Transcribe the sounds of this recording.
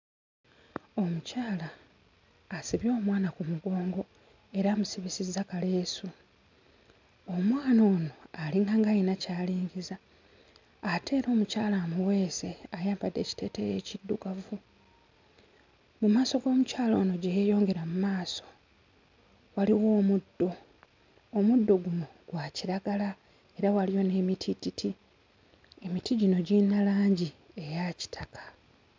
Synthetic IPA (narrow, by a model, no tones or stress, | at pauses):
o̞mucaːlaː | siβjo̞ːmwaːnakumuɡo̞ːŋɡo̞ | e̞ɾaːmusiβisizakale̞ːsu | omwaːno̞ːno̞aliŋɡaŋɡajinacaːliːɲɟizaː | tʰe̞ːɾo̞ːmucaːlaːmuwe̞ːse̞ajaːmpadːe̞̰ci̥te̞ːtejeːcidːuɡavu | mumaːso̞ɡo̞ːmucaːlo̞ːno̞ɟejejo̞ːŋɡe̞ɾamumaːso̞̥ | waliwo̞ːmudːo̞ː | mudːo̞ɡumoɡ̥waciɾaɡala | e̞ɾawalijo̞ne̞ːmitʰititʰi | e̞mitiɟino̞ɟinalaːɲɟi | e̞jaci̥tʰakʰḁ